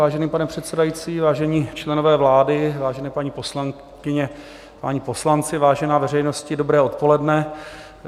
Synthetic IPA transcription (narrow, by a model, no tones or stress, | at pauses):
aːʒɛniːpanɛpr̝̥ɛt̪sɛdajit͡siːvaːʒɛɲiːt͡ʃlɛnovɛːvlaːdɪvaːʒɛnɛːpaɲiːposlaŋ | kɪɲɛ | pa̰ɲiːpo̞slant͡sɪvaːʒɛnaːvɛrɛjnoscɪdobɾɛːʔo̞t̪̚polɛdnɛ